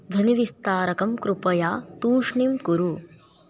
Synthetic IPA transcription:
d̪ʱɐniʋist̪aːɾɐkɐmkɾupɐjaːt̪uːʂɳimkuɾu

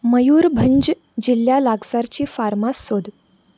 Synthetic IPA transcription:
məjuːɾbʱəɲd͡ʑ | d͡ʑiljalaɡsaɾt͡ɕiːfaɾmasːod̪ʱ

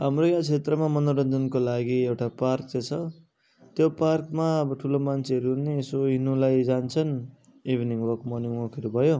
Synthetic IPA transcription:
ɦamrojãt͡sʰet̪rʌmamʌnoɾʌnd̪ʌnkolaɡiewʈaparkt͡set͡sʰʌ | t̪joparkmaʌbʌʈʰulomant͡sʰeɦʌɾuɦunːeːsoɦinulajd͡zant͡sʰʌn | ibʱniŋwʌkmʌniŋwʌkʌɾubʱʌjo

